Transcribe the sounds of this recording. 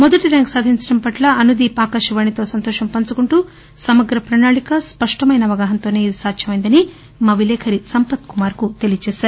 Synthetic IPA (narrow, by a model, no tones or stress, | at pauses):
mɔd̪ɐʈiɾaːŋksaːd̪ʱiɲt͡ʃɐɽɐmpɐʈlɐɐnud̪ipaːkaːʃuʋɐɳit̪o̞ːsɐnt̪ɔːʃɐmpɐnt͡ʃukuɳʈuː | sɐmɐɡɾɐpɾɐːnaːɭikɐspɐʂʈɐmɐjnɐʋɐɡaːɦɐnt̪o̞ːne̞ːid̪isaːt̪ʃjɐmɐjind̪ɐni | maːʋilɛːkʰɐɾisɐmpɐt̪kumaːɾkut̪e̞lijɐt͡ʃɛːʃaːɾu